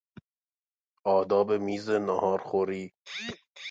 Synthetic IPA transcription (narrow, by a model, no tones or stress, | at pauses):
ɒːd̪ɒːbemiːzenɔhɒːɾxoɾiː